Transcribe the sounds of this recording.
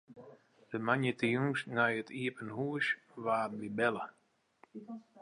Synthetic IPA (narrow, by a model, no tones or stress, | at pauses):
dəmanjət̪əjuŋʃnajət̪ʰiəpənhuəʃ | vaːtndibɛlə